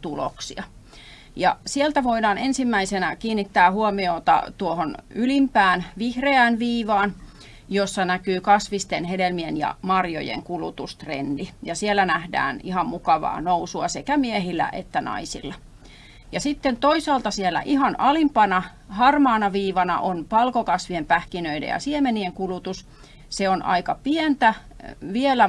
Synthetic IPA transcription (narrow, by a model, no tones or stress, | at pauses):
t̪ulo̰ksḭɑ | jɑ̰sielt̪æʋoidɑːnensimːæisenækiːnːit̪ːæːhuomioːt̪ɑ̰t̪uohonylimpæːnʋihreæːnʋiːʋɑːn | josːɑnækyːkɑsʋist̪enhedelmienjɑ̰mɑrjo̰jḛŋkulut̪ust̪rḛndijɑsielːˑænæhdæ̰ːnihɑmmukɑʋɑ̰ːnousuɑsekæmiehilːæ̰ʔḛt̪ːænɑ̰isḭlːɑ | jɑsit̪ːent̪oisɑːlt̪ɑsielːˑæ̰ʔihɑnɑlimpɑnɑ | hɑrmɑːnɑʋiːʋɑnɑ̰ʔonpɑlkokɑsʋiempæhkinøidḛjɑ̰siemenieŋkulut̪us | seonʔɑ̰ikɑpient̪æʋielæ